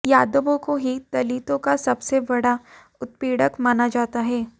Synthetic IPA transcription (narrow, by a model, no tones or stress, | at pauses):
jaːd̪əbõkoɦit̪ɐliːt̪õkasɐbsebɐɽa | ʊt̪̚piːɽəkmaːnad͡ʒaːt̪aɦɛː